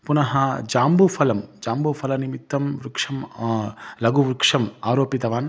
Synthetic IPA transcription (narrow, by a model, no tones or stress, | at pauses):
punɐɦɐd͡ʒaːmbupʰɐlɐmd͡ʒaːmbupʰɐlɐnimit̪ːɐmʋɾukʂɐm | lɐɡuʋɾukʂɐmaːɾoːpit̪ɐʋaːn